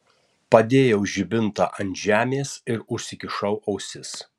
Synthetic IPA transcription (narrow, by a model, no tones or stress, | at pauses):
pɐd̪ʲeːjɛʊʒʲɪbʲɪnt̪ɑ̰ʔɐnʲt̪ʲʒʲæːmʲeːsɪɾʊʃʲsʲɪkʲɪʃɐʊʔɐʊsʲɪs